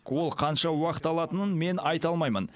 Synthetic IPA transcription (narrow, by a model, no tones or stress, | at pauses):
kwo̞lˠqʰɑnʃɑwɑqə̥t̪ɑlˠɑt̪ənənme̞nɑjt̪ɑlˠmɑjmən